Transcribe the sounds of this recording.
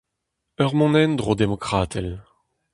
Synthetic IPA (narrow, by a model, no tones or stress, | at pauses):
œʁmɔ̃nɛnd̪ʁod̪emɔkχaːt̪ʰɛl